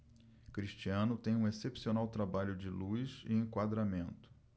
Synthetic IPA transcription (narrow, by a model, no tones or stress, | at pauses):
kɾiʃt͡ʃiɐ̃nʊt̪ẽj̃ũesepsionawt̪ɾabaʎʊd͡ʒɪlujzɪ̰ẽŋkwad̪ɾamẽnt̪ʊ̥